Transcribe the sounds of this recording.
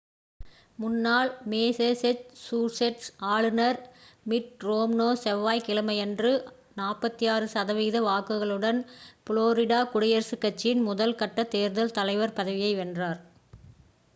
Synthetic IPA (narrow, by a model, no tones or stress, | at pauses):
mʊnːaːɭmeːsesɛt͡ʃsuːɾsɛʈsaːɭɯnɐɾmɪʈ̚ɾoːmnoːsɛʋːaːjkɪɭɐmɐjɛndrɯ | naːpɐt̪ːijaːɾɯsɐðɐʋiːðɐʋaːkɯɣɐɭɯɽɐnpɪɭoːɾɪɽaːkʊɽɐjɐɾsɯkːɐt͡ʃːɪnmʊðɐlkɐʈːɐt̪eːɾðɐlt̪ɐlɐɪʋɐɾpɐðɐʋɪjɐɪʋɛndraːɾ